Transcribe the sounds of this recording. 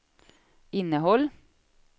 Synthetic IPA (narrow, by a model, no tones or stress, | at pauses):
ɪnəhɔl